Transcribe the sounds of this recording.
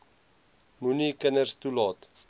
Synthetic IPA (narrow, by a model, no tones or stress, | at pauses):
munikənərst̪ulɔt̪s